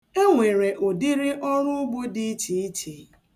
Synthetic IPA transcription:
e˦ŋʷe˨ɾe˨ʔo˨di˦ɾɪ˦ʔɔ˦ɾʊ˦ʊ˦ɡ͡bo˦dɪ˦t͡ʃi˨i˦t͡ʃi˨

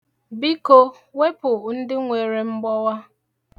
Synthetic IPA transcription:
bi˦ko˦ | we˦pʊ˨n̩˦dɪ˦ŋʷe˨ɾe˨m̩˦ɡ͡bɔ˦wa˦

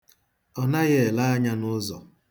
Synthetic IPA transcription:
ɔ˨na˦ɣe˦˨la˦a˦ɲa˦nʊ˦zɔ̰˨

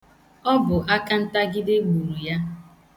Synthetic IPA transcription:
ɔ˦bʊ˨ʔa˦ka˦n̩˦ta˦ɡɪ˦dɪ˦ɡ͡bu˨ɾu˨ja˦

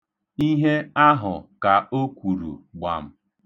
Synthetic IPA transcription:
i˦ɦe˦a˦ɦʊ˨ka˨o˦kʷu˨ɾṵ˨ɡ͡ba̰˨m̩˦˨

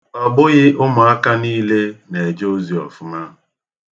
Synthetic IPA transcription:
ɔ˨bʊ˦ɣɪ˦ʔʊ˦mʊ˨a˦ka˦niː˦le˦ne˨e˨d͡ʒo˦zi˨ɔ̰˨fʊ˦ma˦˨

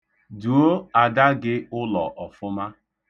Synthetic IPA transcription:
du˨o˦a˨da˦ɡɪ˦ʊ˦lɔ˨ʔɔ˨fʊ˦ma˦

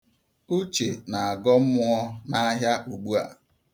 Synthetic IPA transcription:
u˦t͡ʃe˨na˨a˨ɡɔ˦m̩˦mʊ˦ɔ˦na˦ɦja˦ʔu˨ɡ͡bu˦a̰˨

